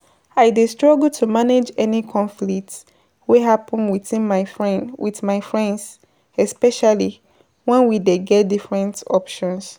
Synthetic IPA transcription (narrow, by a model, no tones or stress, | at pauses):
aɪdistɹɔɡltʰumaned͡ʒɛnikʰɔ̃ɱflik̚t | weɦapə̃nwiθĩnmaɪfnwiθmaɪfɹɛ̃nds | ɛspɛʃali | wɛ̃nwideɡɛt̚difɹɛ̃ntɔpʃɔ̃ns